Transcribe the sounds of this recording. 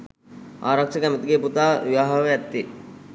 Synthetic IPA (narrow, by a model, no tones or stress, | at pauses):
aːɾakʂəkæmət̪uɡeːput̪aːʋiʋaːɦaʋəjæt̪ːi